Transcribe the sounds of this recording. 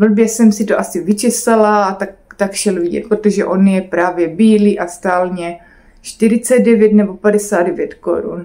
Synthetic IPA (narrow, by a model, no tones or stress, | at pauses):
vl̩bjɛsɛmsɪt̪oʔasɪvɪt͡ʃɛsalaat̪ak̚t̪akʃɛlvɪɟɛ̰t̪̚pɾot̪oʒɛʔo̞njɛpɾaːvjɛbiːliːʔast̪aːlɲɛ | t͡ʃt̪ɪɾɪt͡sɛd̪̚dɛvjɛt̪nɛbo̞padɛsaːd̪dɛvjɛt̪ko̰ɾṵn